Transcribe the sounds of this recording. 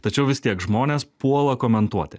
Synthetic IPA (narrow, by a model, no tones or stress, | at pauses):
t̪ɐt͡ʃʲɛʊʋʲɪst̪ʲiɛkʒmoːnʲeːspuɔlˠɐkoːmʲɛnt̪uɔt̪ʲɪ